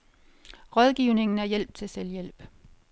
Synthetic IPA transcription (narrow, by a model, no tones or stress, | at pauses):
ʁɒð̞ˠɡ̥iʊ̰ne̝ŋn̩æɐjel̰b̥̚t͡sʰe̝lseljel̰b̥